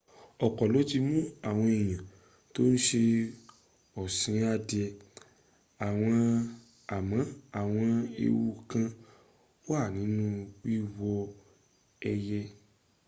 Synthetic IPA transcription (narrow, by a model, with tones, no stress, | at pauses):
ɔ˨kɔ˨lɔ˨˦ti˧mũ˦a˦˨w̃ɔ̃˧ɛ˨j̃ã˨ | to˦n̩˦ʃe˧ | ɔ˨sĩ˨˦a˧dɛ˧ | a˨w̃ɔ̃˧ | a˨mã˨˦a˦˨w̃ɔ̃˧ḛ˧wu˧kã˧ | o˦a˦˨nĩ˨˦nũ˦wi˦wɔ˧ | ɛ˧jɛ˧